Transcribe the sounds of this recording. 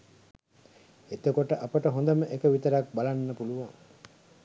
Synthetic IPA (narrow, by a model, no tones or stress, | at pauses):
et̪ekoʈəʔapəʈəɦond̪əməʔekəʋit̪əɾak̚balanːəpuluʋaŋ